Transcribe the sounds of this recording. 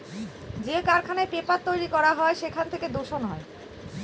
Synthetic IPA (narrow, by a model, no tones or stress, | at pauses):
d͡ʑekaɾkʰanepepaɾt̪ojɾikɔɾaɦɔeʃekʰant̪ʰeked̪oʃonɦɔe